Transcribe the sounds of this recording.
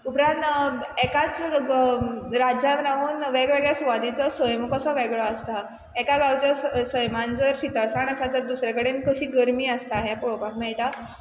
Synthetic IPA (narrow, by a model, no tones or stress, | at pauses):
upɾãnt̪ | ekat͡s | ɾad͡ʑamɾaʋuːnʋeɡɭʋeɡɭjasʋad̪it͡sɔsəjmɔkəsɔʋeɡɭɔast̪a | ekaɡawt͡ɕasəjmand͡zəɾɕit̪asaɳəsat̪əɾd̪usɾjakəɽenkəɕiːɡəɾmiːəst̪aɦeapɔɭopakmaet̪a